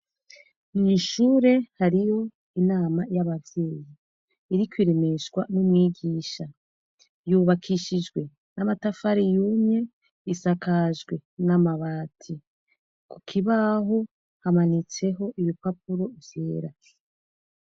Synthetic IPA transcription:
ninʃuːɾe̞haɾijo̞ | inaːmajaβavje̞ːji | iɾikwiɾe̞me̞ʃɡwanumŋiːɡiːʃa | juβakʰiʃid͡ʒɡwe̞ | namatafaɾijuːmɲe̞ | isakaʒɡwe̞namaβaːtʰi | ku̥kʰiβaɦo̞ | hamanit͡se̞ɦo̞ʔiβipap̚uɾo̞vjeːɾa

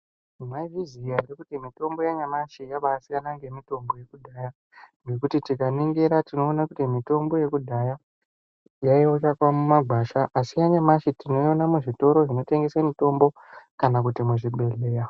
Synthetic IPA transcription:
maviziaɾikutimito̞mbo̞jaɲamaʃijaɓaasikanaŋɡemito̞mbo̞je̞kudʱaja | ŋɡe̞kutitikaneŋɡe̞ɾatino̞ːnakutimito̞mbo̞je̞kudʱaja | jaiot͡ʃakwamumaɡʱwaːʃaʔasijaɲamaʃitino̞jonamuʐito̞ɾo̞ʐino̞te̞ŋɡe̞samito̞mbo̞ | kanak̬utimuʐiɓe̞le̞ːja

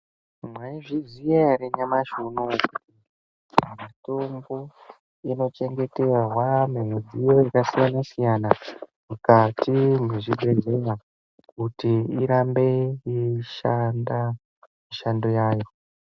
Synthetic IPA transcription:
mwaiʐizijaɾeɲamaʃunokuti | mato̞mbo̞ | ino̞t͡ʃe̞ŋɡe̞te̞waɦwamen̤ud͡zijo̞jakasijanasijanamukatimeʐiɡʱezewa | kutiiɾambe̞iʃanda | miʃando̞jaːjo̞

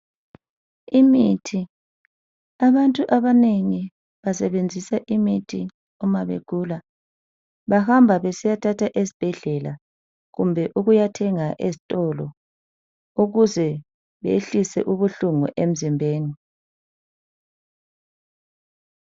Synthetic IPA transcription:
imitʰi | aβantʼuʔaβaneŋi | βasɛβend͡zʱisaʔimitʰi | ɔmaβḛɡ̥ʱuːla | βahambʱaβesijatʰatʰaʔesib̥ʱɛɮɛla̰ | ɣumbʱɛʔuɣujatʰɛŋaʔezitʼɔlɔ | uɣuzɛ | βḛɬisɛ̰ʔuβuɬuŋṵʔem̩zimbʱeːni

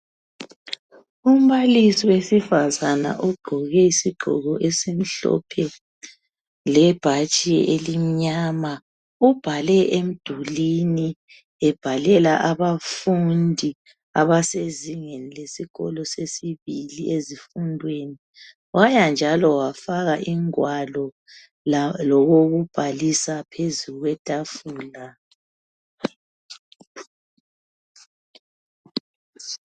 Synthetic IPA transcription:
um̩βalisiwesifazana̰ʔuɡ͡ǃʱɔɣɛisiɡ͡ǃʱɔ̰ɣɔʔesem̩ɬɔ̰pʰɛ | lɛb̥ʱat͡ʃʼielim̩ɲama | ub̥ʱalɛʔem̩d̥ʱulini | ɛb̥ʱalɛlaʔaβafundʱi | aβaseziŋenilesiɣɔ̰lɔsesiβiliʔezifundʱweːni | ɣwajand͡ʒʱalɔwafaɣaʔiŋwalɔ | lɔɣoɣub̥ʱalisapʰezuɣwɛtʼafuːla

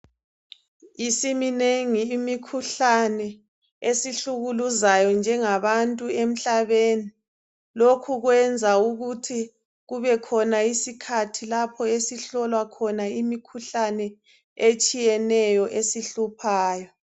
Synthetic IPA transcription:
isimineŋiːmikʰuɬanɛ | esiɬuɣuluzajɔnd͡ʒʱɛŋaβantʼuem̩ɬaβeni | lokʰuɣwɛnd͡zʱauɣutʰi | ɣuβɛkʰɔnaisikʰatʰilapʰɔesiɬɔlwakʰɔnaimikʰuɬanɛ | et͡ʃʼijɛnɛjɔʔesiɬupʰaːjɔ

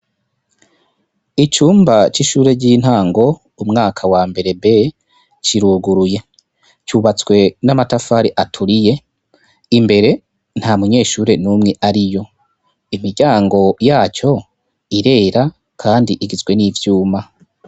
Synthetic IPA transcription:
it͡ʃuːmbat͡ʃiʃuːɾe̞ɟin̥haːŋɡo̞ | umŋaːkʰawaːmbe̞ɾe̞be | t͡ʃiɾuːɡuɾuje̞ | t͡ʃuːβat͡swe̞namatafaɾiʔatʰuɾije̞ | imbe̞ɾe̞ | n̥hamuɲe̞ːʃuːɾe̞nuːmŋe̞ʔaɾijo̞ | imiɾɟaːŋɡo̞jaːt͡ʃo̞ | iɾe̞ːɾa | kʰaːndiʔiɡizɡwe̞nivjuːma

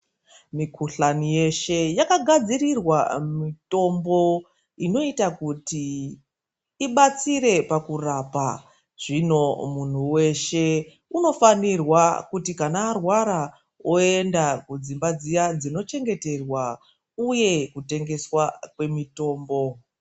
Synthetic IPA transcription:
mikʰuɬanije̞ʃe̞jakaɡʱad͡ziɾirwamito̞mbo̞ | ino̞itakuti | ɓat͡siɾe̞pakurapa̰ | ʐ̥ino̞mun̤uwe̞ʃe̞ | uno̞fanirwakutikanaːrwaɾa | oendakud͡zimbad͡zijad͡zino̞t͡ʃe̞ŋɡe̞te̞rwa | uje̞kute̞ŋɡe̞swakwe̞mito̞ːmbo̞

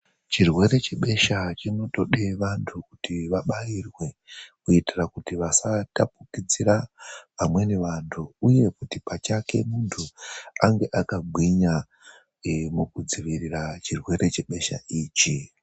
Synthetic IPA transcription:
t͡ʃirwe̞ɾe̞t͡ʃe̞ɓe̞ʃat͡ʃino̞to̞ɗeʋantʰukutiʋaɓajirwe̞kuitirakutiʋasatap̚ukid͡ziɾapamwe̞ne̞ʋantʰuuje̞kutipat͡ʃake̞muntʰuaŋɡe̞ʔakaɡʱwiɲa | mukud͡ziʋirirat͡ʃirwe̞ɾe̞t͡ʃe̞ɓe̞ʃa̰ʔiːt͡ʃi

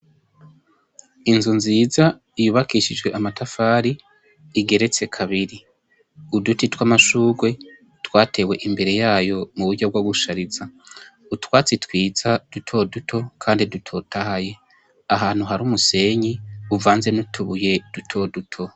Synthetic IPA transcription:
inzunziːza | ijuβakiʃid͡ʒɡwe̞ʔamatafaːɾiː | ɡe̞ɾe̞t͡se̞kʰaβiɾi | udutitwamaʃuːɡwe̞ | twaːte̞we̞ʔimbe̞ɾe̞jaːjo̞muβuɾɟobɡwaɡuʃaɾiza | utwaːt͡sitwiːz̥ad̥utʰo̞dutʰo̞kʰaːndidutʰo̞tʰahaje̞ | aɦaːn̥huɦaɾuːmuse̞ɲiuvaːnze̞nutʰuβuje̞d̥utʰo̞dutʰo̞

